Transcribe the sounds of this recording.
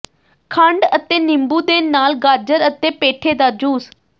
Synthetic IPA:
kʰəɳɖət̪eːnɪmbuːd̪eːnaːlɡaːɾd͡ʒəɾət̪eːpeːʈʰeːd̪aːd͡ʒuːs

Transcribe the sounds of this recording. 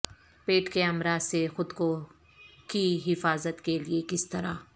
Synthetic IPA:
peːʈkeɐmɾaːzsexʊd̪ko | kiɦɪfaːzət̪keliekɪst̪ɐɾaː

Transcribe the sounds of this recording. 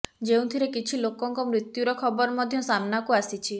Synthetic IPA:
d͡ʒeũt̪ʰiɾekit͡ʃʰilokɔŋkɔmɾit̪juɾɔkʰɔbɔɾɔmɔd̪ʱjɔsamnakuasit͡ʃʰi

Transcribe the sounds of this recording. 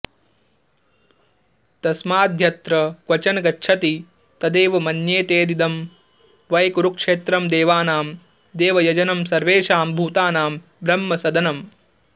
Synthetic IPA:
t̪ɐsmaːd̪ʱjɐt̪ɾɐkʋɐt͡ʃɐnɐɡɐtːʃʰɐt̪i | t̪ɐd̪eːʋɐmɐnjeːt̪eːd̪id̪ɐm | ʋɐjkuɾukʂeːt̪ɾɐmd̪eːʋaːnaːm | d̪eːʋɐjɐd͡ʒɐnɐmsɐɾʋeːʃaːmbʱuːt̪aːnaːm | bɾɐmːɐsɐd̪ɐnɐm

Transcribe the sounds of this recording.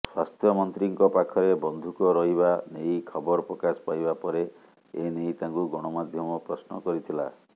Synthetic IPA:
swast̪ʰjɔmɔnt̪ɾiŋkɔpakʰɔɾebɔnd̪ʱukɔɾɔɦibanejkʰɔbɔɾɔpɾɔkaspajbapɔɾe | enejt̪aŋkuɡɔɽ̃ɔmad̪ʱjɔmɔpɾɔsnɔ̰kɔɾit̪ʰila̰

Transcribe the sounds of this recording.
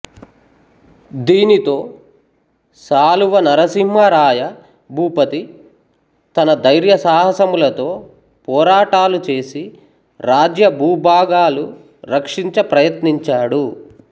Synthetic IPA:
d̪iːnit̪o̞ː | saːluʋɐnɐɾɐsimɦɐɾaːjɐ | bʱuːpɐt̪i | t̪ɐnɐd̪ɐjɾjɐsaːɦɐsɐmulɐt̪o̞ː | pɔːɾaːʈaːlut͡ʃe̞ːsi | ɾaːd͡ʒjɐbʱuːbʱaːɡaːlu | ɾɐkʂiɲt͡ʃɐpɾɐjɐt̪niɲt͡ʃaːɽu

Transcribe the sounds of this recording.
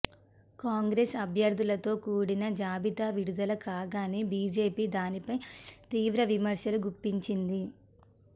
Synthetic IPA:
kaːŋɡɾesɐbʱjɐɾd̪ʱulɐt̪o̞ːkuːɽinɐd͡ʒaːbit̪aːʋiɽud̪ɐlɐkaːɡaːnibiːd͡ʒe̞ːpiːd̪aːnipɐjt̪iːʋɾɐʋimɐɾʂjɐluɡupːiɲt͡ʃind̪i

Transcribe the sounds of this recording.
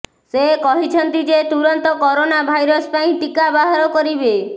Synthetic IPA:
sekɔɦit͡ʃʰɔnt̪id͡ʒet̪uɾɔnt̪ɔkɔɾonabʱajɾɔspaĩʈikabaɦaɾɔkɔɾibe

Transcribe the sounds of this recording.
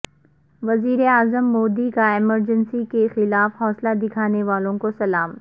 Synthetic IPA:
ʋɐziːɾeaːzəmːɔːd̪ikaɪməɾd͡ʒənsikexɪlaːfɦɔːslad̪ɪkʰaːneʋaːlõkosɐlaːm

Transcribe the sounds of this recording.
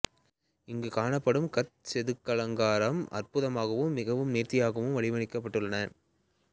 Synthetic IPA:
ɪŋɡɯkaːɳɐpːɐɽɯmkɐt̪̚sɛðɯkːɐlɐŋɡaːɾɐmʔɐ̰rpʊðɐmaːɣɐʋɯmːɪɣɐʋɯmneːɾt̪ɪjaːɣɐʋɯmʋɐɭɪʋɐɳɪkːɐpːɐʈːɯɭːɐnɐ

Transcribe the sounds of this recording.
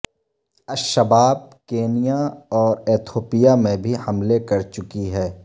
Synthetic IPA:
ɐʃɐbaːb̚keːnijaɔːɾeːt̪ʰoːpijamẽbʱihɐmlekɐɾt͡ʃʊkiɦɛː

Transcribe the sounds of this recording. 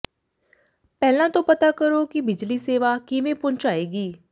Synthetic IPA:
pɛːlãːt̪õːpət̪aːkəɾoːkɪbɪd͡ʒliːseːʋaːkɪʋẽːpʊɲt͡ʃaːeːɡiː

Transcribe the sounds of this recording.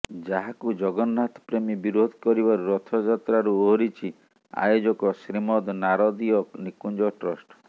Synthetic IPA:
d͡ʒaɦakud͡ʒɔɡɔnːat̪ɔpɾemibiɾod̪ʱkɔɾibaɾuɾɔt̪ʰɔd͡ʒat̪ɾaɾuoɦɔɾit͡ʃʰi | a̰jod͡ʒɔkɔsɾimɔd̪naɾɔd̪ijɔknikund͡ʒɔʈɾɔsʈɔ̥

